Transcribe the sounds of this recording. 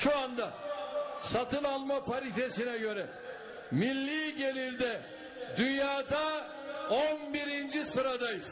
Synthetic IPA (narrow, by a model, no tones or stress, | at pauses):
ʃuand̪a | sat̪ʰɯnalˠmapʰaɾit̪ʰe̞sinɛɟø̞ɾɛ | milʲːiːɟe̞lʲiɾd̪ɛ | d̪ynjaːd̪a | onbiɾind͡ʒisɯɾad̪ajɯz̥